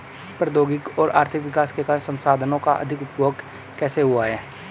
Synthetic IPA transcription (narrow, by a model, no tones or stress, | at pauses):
pɾəd̪oːɡɪkɔːɾʔa̰ːɾt̪ʰɪkʋɪkaːskekaːɾsə̃nsaːd̪ʱənõka̰ʔɐ̰d̪ʱɪkʊpjoːɡ | kɛːseɦʊaɦɛː